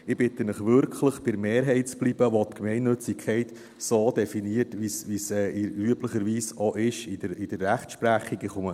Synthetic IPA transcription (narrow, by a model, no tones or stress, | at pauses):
ɪb̥ɪt̪ənɪχʋʏɾkʰləχb̥ɪɾmeːɾɦɛɪtt͡sb̥lib̥əʋotkmɛɪnːɵt͡sikʰɛɪt̪ | soːd̥̪ɛfiniəɾtʋisʋisɛːɪyəpləχəɾʋiːsɔʔɪʃɪdəɪd̥əɾːæχtʃpræχiɡɪχʊmə